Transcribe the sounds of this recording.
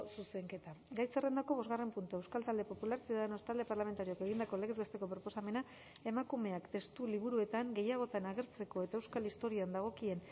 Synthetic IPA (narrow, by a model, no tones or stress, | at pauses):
suse̞ŋke̞t̪aɡajt͡sere̞nd̪ako̞βo̞zɣare̞mpunt̪uewskalt̪ald̪e̞po̞pulaɾsiuðaðeno̞st̪ald̪e̞parlame̞nt̪aɾioke̞ɣ̞ind̪ako̞leɣezβest̪e̞ko̞pɾo̞po̞same̞na | e̞makume̞akt̪e̞st̪uliβ̞uɾue̞t̪aŋɡe̞jaɣ̞o̞t̪anaɣ̞e̞ɾt͡se̞ko̞e̞t̪ae̞wskalist̪o̞ɾioand̪aɣ̞o̞kie̞n